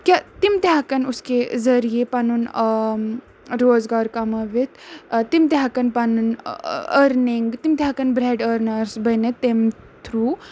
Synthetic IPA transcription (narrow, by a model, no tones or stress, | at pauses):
kʲjat̪imt̪ʲakɐnʊskezɐɾijepɐnun | ɾoːzɡaːɾkɐmɐʋit̪t̪imt̪eɦakɐnpɐnunəɾniŋɡt̪imt̪ʲɦakɐnbɾeːɖəɾnɐɾsbɐnet̪em | t̪ʰɾuː